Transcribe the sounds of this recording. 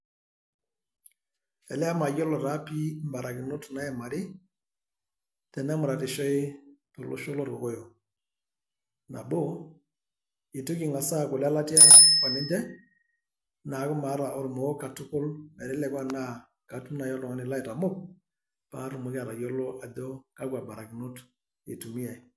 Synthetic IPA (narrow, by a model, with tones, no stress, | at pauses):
ɛ˨lɛ˦a˦ma˨jɔ˦lɔ˨ɾa˦pi˦mba˨ɾa˨kɪ˨nɔ˦tna˦ɛ˨ma˨ɾɪ˦ | tɛ˨nɛ˦mʊ˨ɾa˨tɪ˨ʃɔ˦ɪ˦tɔ˨lɔ̰˦ʃɔ˦lɔ˦ɾɔ˨kɔ˦jɔ˨ | na̰˨bo˦ | ɪ˨tʊ˦kɪ˨ŋa˨sa˦kʊ˨la˦la˦ti˦a˦ka˨nɪ˦ndɛ˦ | naː˨˦kʊ˦ma˨˦ɾa˨ʔɔ˨ɾmɔ˨˦ka˨tʊ˦kʊ˦lmɛ˨ɾɛ˦lɛ˨˦kwa˦na˦ | ka˨tu˦na˨jɔ˦lɔ˨ŋɔ˨nɪ˨la˦ɪ˨ta˨mʊ˦˨p̚ | pa˨˦ɾʊ˨mʊ˨˦ka˨ɾa˨jɔ˦lɔ˦ʔa˨dɔ˦ka˦kwa˨ba˨ɾa˨kɪ˨nʊ˦t | ɪ̰˨tu˨mi˦a˨